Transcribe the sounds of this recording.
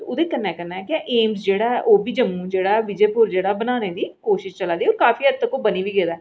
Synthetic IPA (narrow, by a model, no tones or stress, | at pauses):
ʊd̪eːkəɾnɛːkəɾnaːɛkɪãʔeːmsd͡ʒeːɽaːɛʔoːbiːd͡ʒəmːũːd͡ʒeːɽaːɛʋɪd͡ʒeːpʊɾd͡ʒeːɽaːbənaːneːd̪iːkoːʃɪʃt͡ʃəlaːd̪iːoːɾkaːfiːəd̪t̪əkoːbəniːʋiːɡeːd̪aː